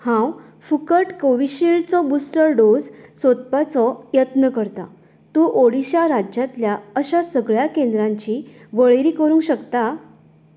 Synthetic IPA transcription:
hãw | fukəʈkoʋiɕiɭt͡sɔbusʈəɾɖod͡zsot̪̚pat͡sɔjət̪nəkəɾt̪a̰ | t̪uːʔoɽiɕaɾad͡ʑjat̪ljaəɕasəɡɭjakẽnd̪ɾãɲt͡ɕiː | ʋəɭeɾiːkəɾũŋɡɕəkt̪a

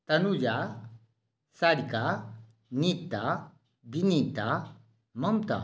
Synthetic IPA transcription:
t̪ɐnud͡ʒa | saɽika | nit̪ːa | binit̪a | mɐmt̪a̰

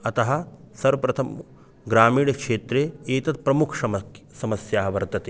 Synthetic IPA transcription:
ɐt̪ɐɦɐ̆sɐɾʋɐpɾɐt̪ʰɐm | ɡɾaːmiːɳɐkʂeːt̪ɾeːeːt̪ɐt̪̚pɾɐmukʰsɐmɐsɐmɐsjaːɦɐʋɐɾd̪ʱɐt̪eː

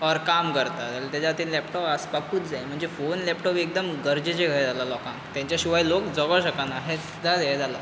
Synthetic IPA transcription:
ɔɾkamkəɾt̪at̪alt̪jat͡ɕat̪inlɛpʈɔpaspakuːt̪d͡zajm̤əɳd͡zefonlɛpʈɔpek̚d̪əmɡəɾd͡ʑət͡ɕeɡʱəɾed͡zalalɔkãŋkt̪jãɲt͡ɕjaɕuʋajlokd͡zɔɡəɕəkanaɦe | d͡z̪ʱad̪ajd͡zala

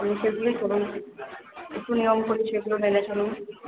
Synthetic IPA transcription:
amiʃeɡulit͡ɕʰoɾum | ḛk̚ʈːunijomkoɾiʃeɡulomenet͡ɕʰonum

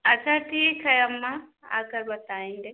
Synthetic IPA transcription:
ɐt͡ʃʰaʈʰiːkʰɐjəmːãa̰ːkɐɾbɐt̪aːĩːnd̪e

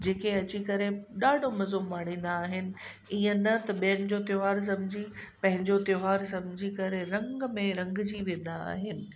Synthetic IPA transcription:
d͡ʑeːkeɐt͡ɕikɐɾeɗaːɖʱomɐzomaːɽ̃ĩːn̆d̪aːɦɪnɪ̆iə̃nɐt̪ɐɓijənɪ̆d͡ʑot̪joɦaːɾs̬ɐ̃mɪd͡ʑʱipɐ̃ɦɪ̃ɲd͡ʑot̪joːɦaːɾsɐ̃md͡ʑʱikɐɾeɾɐ̃ŋɡmẽɾɐ̃ŋɡd͡ʑiʋẽːn̆d̪aa̰ːɦɪnɪ̆

